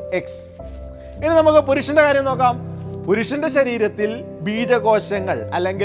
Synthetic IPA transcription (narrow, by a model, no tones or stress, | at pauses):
eks | inːɨnɐmukːɨpuɾuʂɐndekaːɾjɐmno̞ːkːaːmpuɾuʂɐndeɕɐɾiːɾɐt̪ːil | biːðɐɣo̞ːɕɐŋːɐɭɐlːe̞ŋɡi